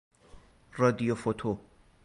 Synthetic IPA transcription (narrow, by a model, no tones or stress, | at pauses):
rɔd̪ijofot̪ʰo